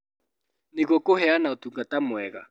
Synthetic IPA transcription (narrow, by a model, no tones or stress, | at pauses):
nikokʼɔhɛanaut̪uŋɡatʼamɛːk̬a̰